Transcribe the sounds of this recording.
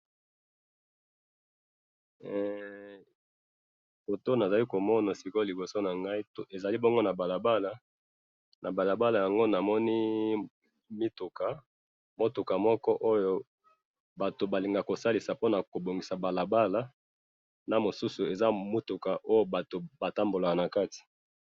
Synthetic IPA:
fo˨to˦na˨za˨li˦ko˨mɔ˦na˨si˨ko˦li˨bo˨so˦na˨ŋɡa˦i˦to˨ʔe˨za˨li˦bɔ˦ŋɡo˦na˨ba˨la˨ba˦la˨˦ | na˨ba˨la˨ba˦la˨ja˨ŋɡo˦na˨mɔ˦ni˦ | mi˦tu˨ka˨ | mo˦to˨ka˨mɔ˦kɔ˦ʔo˦jo˦ | ba˨to˨ba˨li˨ŋɡa˨ko˨sa˦li˨sa˨po˦na˨ko˨bo˨ŋɡi˨sa˨ba˨la˨ba˦la˦ | na˨mo˨su˦su˨e˨za˦mo˦tu˨ka˨ʔo˦jo˦ba˨to˨ba˨ta˦mbo˨la˨ka˨na˨ka˦ti̥˨

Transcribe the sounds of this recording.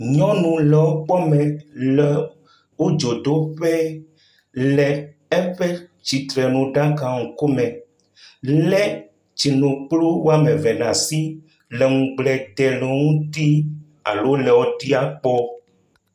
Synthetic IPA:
ɲɔ̃˦nũ˨lɛ˨wo˦k͡pɔ˦mɛ̃˨lɛ˨ | wo˦d͡ʒo˨d̪o˦ɸɛ˦ | lɛ˨ | ɛ˦ɸɛ˦d͡ʒi˨t̪ɾɛ˨nũ˨ɖa˦ka˨ŋũ˨ko˦mɛ̃˨ | lɛ˦ | d͡ʒi˨nõ˨k͡plo˦wo˦a˦mɛ̃˨vɛ˨nã˨si˦ | lɛ˨ŋũ˨ɡ͡blɛ˨d̪ɛ˨le˨ŋũ˦t̪i˦ | a̰˨lo˦lɛ˨wɔ˦t̪i˦a˨k͡pɔ˦

